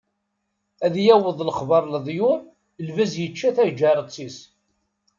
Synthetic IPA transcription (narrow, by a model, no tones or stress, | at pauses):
æðjæwəðˤlχvɑɾˤləðˤju | lvæzjət͡ʃːæθæd͡ʒæɾˤət͡sːis